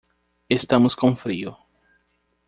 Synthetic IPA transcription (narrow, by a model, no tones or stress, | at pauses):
est̪ɐ̃mʊskõfɾiʊ